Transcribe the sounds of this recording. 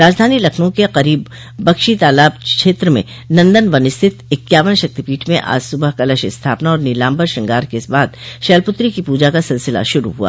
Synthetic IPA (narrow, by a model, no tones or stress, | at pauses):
ɾaːd͡ʒd̪ʱaːnilɐkʰnõkeqɐɾiːbː | ɐkʃit̪aːlaːbt͡ʃʃʰeːt̪ɾəmḛ̃ | nɐ̃nd̪ənʋɐnɪst̪ʰɪt̪ɪkːjaːʋənʃɐk̚t̪ipiːʈʰmẽʔa̰ːd͡ʒsʊbəɦkɐlɐʃɪst̪ʰaːpnaɔːɾniːlãːmbəɾʃɪ̃ŋɡaːɾkeɪsbaːd̪ʃɛːlpʊt̪ɾikipuːd͡ʒakasɪlsɪla̰ʃʊɾṵɦua̰ː